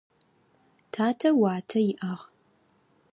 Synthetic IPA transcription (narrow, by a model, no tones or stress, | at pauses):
tʰaːtʰɐwaːtʰɐjɪʔɐʁ